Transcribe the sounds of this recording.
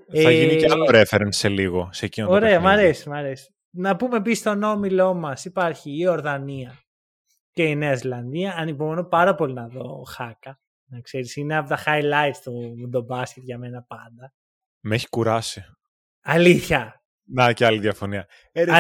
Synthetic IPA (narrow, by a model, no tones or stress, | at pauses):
eθɐʝiniceɐloɾefeɾense̞liɣo̞secinooɾe̞ɐmɐɾe̞simɐɾesi̥ | nɐpume̞pist̪o̞no̞milo̞mɐsipɐɾçiːo̞ɾðɐniɐ | ce̞ineɐzlɐnðiɐɐnipomonopɐɾɐpo̞linɐðo̞̰xɐkɐ | nɐkse̞ɾisineɐpot̪ɐxɐjlɐjt̪t̪uðo̞bɐsce̞t̪ʝɐme̞nɐpɐnd̪ɐ | meçi̥kuɾɐsi | ɐliθçɐ | nɐceɐliðiɐfo̞niɐ